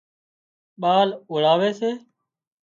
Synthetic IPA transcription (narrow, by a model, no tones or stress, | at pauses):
ɓaːlʊɭaːʋeːseː